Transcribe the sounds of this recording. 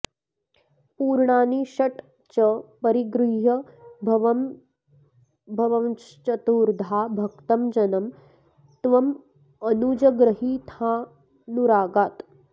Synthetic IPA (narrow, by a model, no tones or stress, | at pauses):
puːɾɳaːniʃɐʈ | t͡ʃɐpɐɾiɡɾiɦjɐbʱɐʋɐm | bʱɐʋɐ | t͡ʃɐt̪uːɾd̪ʱaːbʱɐk̚t̪ɐmd͡ʒɐnɐm | t̪ʋɐm | ɐnuːd͡ʒɐɡɾɐɦiːt̪ʰaː | nuɾaːɡaːt̪